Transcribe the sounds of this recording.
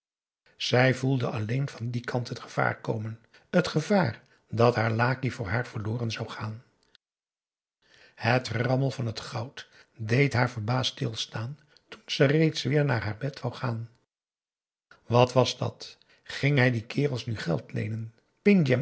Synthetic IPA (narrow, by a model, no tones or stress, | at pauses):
z̥ɛjvulˠdəʔɑlejnvɑndikʰɑntɦətχə̥v̥a̰ːɹko̰wmən | ətχəvaːr | dɑtɦaːɹlaːkivʊːɹɦaːɹv̥əɹlʊːrənzɑwχaːn | hətrɑməlˠvɑnɦətχɑwt | dejtɦaːɹvəɹbaːstɪ̰lˠstaːn | tunz̥ɛrejtsʋɪːɹnaːɹɦaːɹbɛtʋawχaːn | ʋɑtʋɑzdɑ̰t | χɪŋɦɛjdikʰɪːrəlˠsnyχɛ̰lˠtlḛjnən | pɪŋd͡ʒɛ